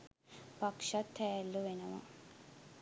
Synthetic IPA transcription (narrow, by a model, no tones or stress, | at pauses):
pakʃat̪ʰːɛːlːuʋenəʋa̰